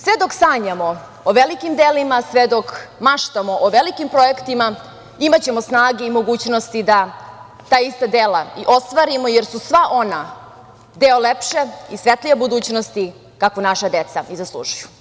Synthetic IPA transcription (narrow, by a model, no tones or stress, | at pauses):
sʋed̪oksaːɲamo̞ | oʋelikimd̪eːlimasʋed̪okmaʃt̪amoʔoʋelikimpɾo̞ekt̪ima | imat͡ɕe̞mosnaːɡeimo̞ɡuːt͡ɕno̞st̪id̪a | t̪aːist̪ad̪eːlaiʔo̞st̪ʋaːɾimo̞jeɾsusʋaʔo̞na | d̪eolepʃe̞isʋet̪lʲiʋebud̪uːt͡ɕnost̪i | kakonaʃad̪e̞t̪saizaslˠṵːʒuju̥